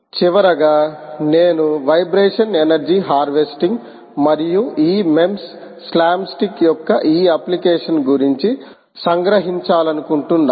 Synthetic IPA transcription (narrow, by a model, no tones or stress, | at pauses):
t͡ʃiʋɐɾɐɡaːneːnuʋɐjbɾeːʂɐnenɐɾd͡ʒiɦaːɾʋesʈiŋɡ | mɐɾijuiːme̞msː | laːmsʈikjɔkːɐʔiːɐplikeɛːʂɐnɡuɾiɲt͡ʃi | sɐŋɡɾɐɦiɲt͡ʃaːlɐnukuɳʈund̪